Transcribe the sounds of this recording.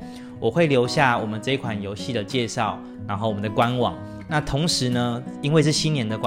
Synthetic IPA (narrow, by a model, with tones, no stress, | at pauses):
wʔɔ˨˩xwe˥˩ɪljo˧˥ʊɕja˥˩wɔ˨˩mə˦nʈ͡ʂɤ˥˧i˥˩kʰwa˨˩njo˧˦ʊɕi˥˩d̪ə˩t͡ɕjɛ˥˧ʂɑ˥˩ʊ | na˧˥nxo˥˩ʊwɔ˨˩mə˦nd̪ə˨kwa˦nwɑ̰˨˦ŋ | na˥˨t̪ʰʊ˧˥ŋʂɻ̩˨˧˦nə˦i˥nŋwe˥˧ɪʂ̬ɻ̩˥˩ɕi˥njɛ˧˦nd̪ə˨kw